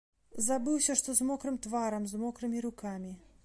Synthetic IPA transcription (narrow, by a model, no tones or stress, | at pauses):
zabɨwsʲɐʂt̪ɔzmɔkɾɨmt̪vaɾɐmzmɔkɾɨmʲiɾukamʲi